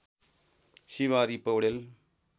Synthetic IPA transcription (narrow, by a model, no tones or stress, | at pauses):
ɕiʋaɾipəwɽel